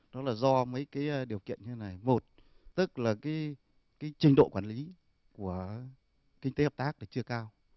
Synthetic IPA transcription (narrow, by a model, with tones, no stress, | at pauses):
ɗɔ˨˦laː˨˩zɔ˧mə˨˦jkaː˨˦jɗi˨˩əwkḭ˧˨ənɲɨ˧t̪e˨˦na˨˩jmo˨˩t̚ | t̪ɨ˦˥k̚laː˨˩kaː˨˦j | kaː˨˦jt͡ɕï˧ŋ̟ɗo̰˧˨kwaː˧˩nli˨˦ | ku˧˩ə | ki˧ŋt̪e˨˦həː˨˩pt̪aː˦˥k̚ɗa˧˩t͡ɕɨ˧əkaː˧w